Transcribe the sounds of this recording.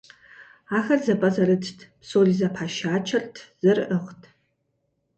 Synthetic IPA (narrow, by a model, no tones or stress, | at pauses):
aːxɐrzɐpʼɐzɐɾɨtʰtʰpsoːɮizɐpʰaːʃaːt͡ʃʰɐrtʰz̥ɨrʔəχtʰ